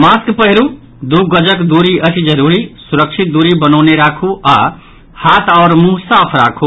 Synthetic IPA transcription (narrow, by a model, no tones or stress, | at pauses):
maːskpəɦɪɾu | d̪uɡəd͡ʒəkd̪uːɾiət͡ʃid͡ʒəɾuːɾisuɾəkʃʰit̪̚d̪uːɾibənɔːneɾaːkʰuaː | haːt̪ɔʊɾmũsaːpʰɾa̰ːkʰu